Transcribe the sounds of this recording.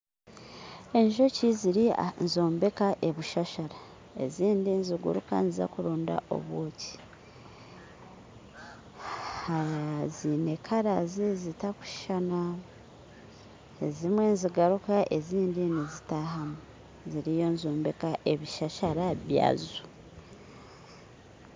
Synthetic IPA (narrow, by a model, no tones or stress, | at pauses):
e̞ɲʒo̞ciziɾianzo̞ːmbe̞kaʔe̞βuʃaʃaɾa | e̞̰ziːndinziɡṵɾṵka̰niza̰kuɾoːnda̰ʔo̞̰βwo̞ːci̥ | hazine̞kʰaɾazizitaku̥ʃi̥ʃana | ezimwe̞nziɡaɾukaʔe̞ziːndinizitahamu | ziɾijo̞nzoːmbe̞kaʔe̞βiʃaʃaɾaβja̰ːzu̥